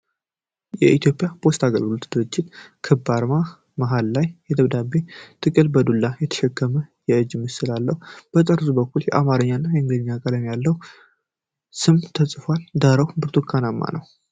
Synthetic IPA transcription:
jɛʔit̪ʰjo̞pʼjapʰo̞st̪ʰaɡəlɡɨlot̪d̪̥ɨɾɨd͡ʒːɪt̪kʰɨbːaɾma | maɦalːajjɛd̪əβd̪abːet̪ʰɨkʼɨlbəd̪ulːajɛt̪ʰə̥ʃɛkʰːəməjɛɨd͡ʒːmːɨsɨlalːəhub̥ət̪ʼəɾsubəkːuljɛʔamaɾəɲːanːajɛɨŋɡɨd̪ɨɲːakʼələmjalːəhu | sɨmt̪ʰəsʼfald̪aɾəwbɨɾt̪ʰokʰːanamːa̰nəw

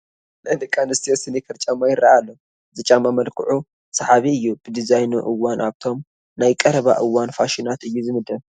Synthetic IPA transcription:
nad̪ɨkʼanɨst̪ʰijosɨnikʰɐɾt͡ʃʼamːajɪɾaalːo | zɨt͡ʃʼamːamɐlkʰɨ̰ʕu | sɐħaβiɨjːub̥ɨd̪izajnuʔɨwːanʔaβt̪ʰo̞m | najkʼɐɾɐβa̰ʔɨwːanfaʃinat̪ɨjːuzɨmɨd̪ɐl

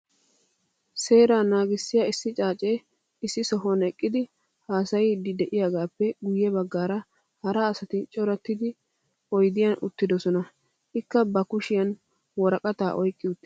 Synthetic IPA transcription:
se̞ːɾaːnaːɡɪsːɪjɐɪsːɪt͡ʃʼaːt͡ʃʼeː | ɪsːɪsɔɦɔnɛkʼːɪd̪ɪ | haːsɐjɪd̪ɪd̪ɛʔɪjaːɡaːpːɛɡʊjːɛbɐɡːaːɾɐ | hɐɾɐːsɐt̪ɪt͡ʃʼɔɾɐt̪ːɪd̪ɪ | ɔjd̪ɪjɐnʊt̪ːɪd̪ɔsɔnɐ | ʔɪkːɐbɐkʊʃɪjɐn | wɔɾɐkʼɐt̪a̰ːʔɔjkʼːɪʊt̪ːɪ

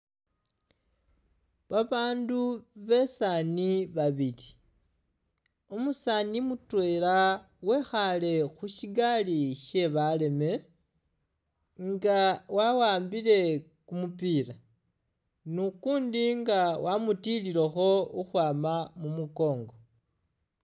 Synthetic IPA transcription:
βaβaːnduβe̞saniβaβili | omusanimutwe̞ːla | we̞xale̞xuʃiɡaliʃe̞βale̞me̞ | ŋɡawawaːmbile̞kumupiːɾa | nukuːndiŋɡawamutililexo̞uxwaːmamumuko̞ːŋɡo̞

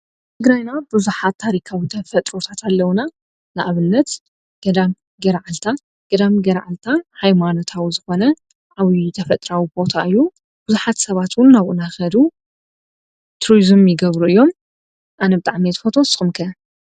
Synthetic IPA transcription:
t̪ʰɨɡɾajnabɨzuħat̪ʰːaɾikʰawit̪ʰɐfɐt̪ʼɾo̞t̪ʰat̪ʰalːɐwuna | naʔaβɨnːɐt̪ | ɡ̥ɐd̪am | ɡɐɾaʕalt̪ʰa | ɡ̥ɐd̪amɡɐɾʕalt̪ʰahajmano̞t̪ʰawizɨxo̞nɐ | ʕaβit̪ʰɐfɐt̪ʼɾawibo̞t̪ʰaʔɨjːu | b̥ɨzuħat̪sɐβat̪wʊnːaβʔɨnaxɐd̪u | t̪ʰɾuɾizɨmjɪɡɐβɾuɨjːo̞m | ʔanɐbɨt̪ʼaʕmit̪ʰfot̪ʰo̞sʼɨxɨmkʰɐ

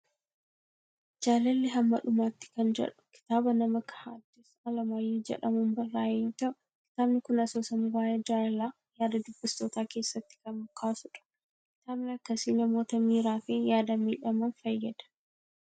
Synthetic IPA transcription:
d͡ʒaːlɐlːɪɦɐmːɐᶑʊmaːt̪ːɪ̥kɐnd͡ʒɛ̰ᶑʊ̥kɪ̥t̪aːbɐnɐmɐkɐ̥haːd̪ːɪsɐlɐmaːjːod͡ʒɛ̰ᶑɐmɐnbɐrːaːjɛjoːt̪ɐʔʊ | kɪ̥t̪aːbnɪkʊnɐsoːsɐnɪwaːjed͡ʒaːɐlaː | jaːd̪ɐd̪ʊbːɪst̪oːt̪aːke̞ːsːɐt̪ːɪ̥kɐnʊkʰːaːsʊᶑɐ̥ | kɪ̥t̪aːbnɪɐkːɐsiːnɐmo̞ːt̪ɐmiːɾaːfinjaːd̪ɐmiːᶑɐmɐnfɐjːɐd̪ɐ̥

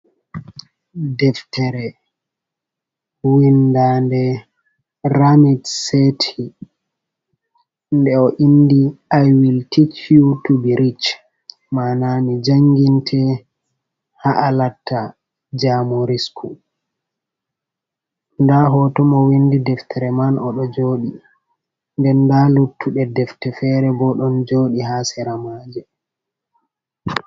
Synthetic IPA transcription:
dɛftɛɾɛ | windandɛ | ɾamitsetʰi | ndɛɔʔinːdiajwiltikʰjutubiɾit͡ʃ | maːnanid͡ʒaŋɡintʰɛ | haʔalatʰːa | d͡ʒamoɾiskʰu | ndaɦɔtɔmɔwindidɛftʰɛɾɛmanɔɗɔd͡ʒoːɗi | ndɛndalutʰːuɗɛdɛftɛfɛɾɛbɔɗɔnd͡ʒoːɗiɦasɛɾamaːd͡ʒɛ

